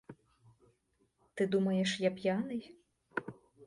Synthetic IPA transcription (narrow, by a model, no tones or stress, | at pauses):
t̪ɨd̪umɐjɛʂjapʲjanɨj